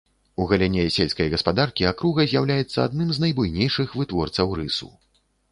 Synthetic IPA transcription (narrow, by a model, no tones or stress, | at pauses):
uɣɐlʲɛnʲɛsʲelʲskɐjɣɐspad̪arkʲiakɾuɣɐzʲjawlʲajɛt̪sːɐad̪̚nɨmznɐjbujnʲejʂɨxvɨt̪vɔrt̪sɐwɾɨsṵ